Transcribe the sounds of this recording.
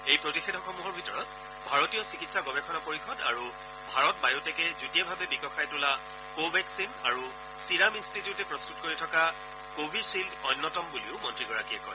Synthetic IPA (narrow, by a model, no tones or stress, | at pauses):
ejpɹɔtixʰedʱɔxɔmuɦɔɹbʱitɔɹɔt | bʱaɹɔtijɔsikitsaɡɔbɛkʰɔnapoɹixɔda̰ɹu | bʱaɹɔt̚bajɔtɛkɛzutijabʱabɛbikɔxajtula | kobɛksinaɹu | siɹaminstitijʊtɛpɹɔstut̚koɹitʰɔka | kobʱisildɔjnːɔtɔmbuliʊmɔntɹiɡɔɹakijɛkɔj